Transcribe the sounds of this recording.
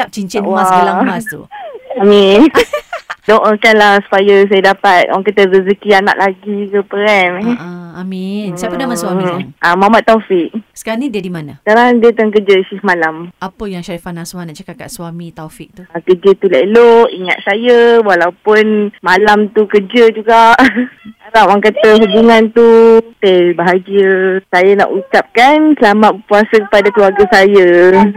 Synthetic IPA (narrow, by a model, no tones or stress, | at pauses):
ap̚t͡ʃiɲt͡ʃiwaalaasuamĩn | dɔʔəkanlahsu̥pajəs̬ajadapat̪̚waŋk̬at̪əzəs̬əkiana̰ʔlaɡikəpəɛmamindamasaʔamamat̪ːɔfiʔ̚sə̥kaɾaŋnidiədimanaə̥kaɾaŋdiət̪aŋk̬əd͡ʒəsihmalamapəjaŋʃaɾifanaswanaʔt͡ʃakakat̪̚swamit̪ɔfik̚t̪uakəd͡ʒət̪ulailoʔiŋa̰t̪̚sajəwalawpʊnmalamt̪ukəd͡ʒəd͡ʒuɡaʔskaɾaŋwaŋkat̪əɦubuŋãnt̪ut̪ebaɦad͡ʒəsajana̰ʔut͡ʃap̚kansəlamat̪̚kuasəkəpadakluaɡasajə